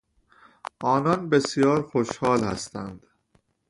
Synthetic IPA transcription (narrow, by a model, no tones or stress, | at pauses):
ʔɒːnɒnbe̞sjɒːɾxoʃhɒːlhæ̰st̪æ̰nd̪̥